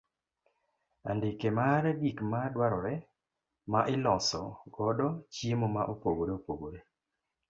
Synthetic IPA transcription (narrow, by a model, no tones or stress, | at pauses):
a̰ndikemaɾɛɡikmadwaɾɔɾɛ | maʔɪlɔsɔ̰ɡɔdɔt͡ʃjemomaʔopoɡoɾeopoɡoɾe